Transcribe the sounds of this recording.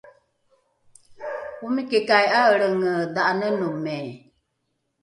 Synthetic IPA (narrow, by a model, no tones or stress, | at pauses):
wumikekajaəɾəŋədaʔanənumɛ